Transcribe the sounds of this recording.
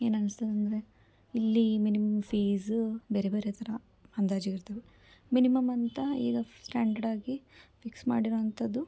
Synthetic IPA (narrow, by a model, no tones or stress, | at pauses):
eːnɐnɨst̪ɐd̪ɐnd̪ɐɾe̞ | ilːiminimɐmpʰiːzbeːɾebeːɾet̪ʰɐɾɐ | ɐnd̪aːd͡ʒiɡiɾt̪ɐʋe | minimɐmɐnt̪ɐḭːɡɐsʈaːɳɖɐɖaːɡifiksma̰ːɽiɾoɐnt̪ʰɐd̪ːu